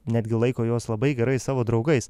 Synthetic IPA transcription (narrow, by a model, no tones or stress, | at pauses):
nʲæːd̪ʲɡʲɪlˠɐɪkoːjoːslˠɐbɐɪɡʲɛɾɐɪsɑːʋoːd̪ɾɐʊɡɐɪs